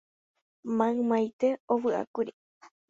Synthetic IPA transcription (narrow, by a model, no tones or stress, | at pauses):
mãɨ̃mãjt̪e̞owɨʔa̰kuɾi